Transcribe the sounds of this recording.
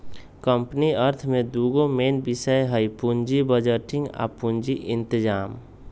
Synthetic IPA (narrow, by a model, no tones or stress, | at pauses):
kəmpniəɾt̪ʰmẽd̪uːɡomeːnbɪsəjɦəjpʊɲd͡ʒibəd͡ʒəʈɪ̃ŋɡa̰ːpuɲd͡ʒiʔɪ̃nt̪ɪd͡ʒaːm